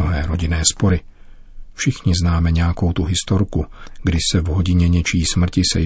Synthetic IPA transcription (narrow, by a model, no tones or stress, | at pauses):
oɦɛːɾo̞ɟɪnɛːspo̞ɾɪ | fʃɪxɲɪznaːmɛɲɛjako̞wt̪uɦɪst̪oɾkuɡdɪsɛvɦo̞ɟɪɲɛɲɛt͡ʃiːsmr̩cɪsɛ̰